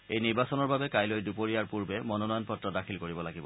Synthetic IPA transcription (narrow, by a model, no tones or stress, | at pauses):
ejniɹbasɔnɔɹbabɛkajlojdupoɹijaɹpuɹbɛmɔnɔnɔjɔnpɔtɹɔdakʰilkoɹibɔlaɡibɔ̰